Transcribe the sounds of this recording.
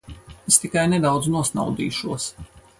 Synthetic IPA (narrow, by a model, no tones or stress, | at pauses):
est̪ikajnɛd̪awd̪znuɔsna̰wd̪ḭːʃuɔs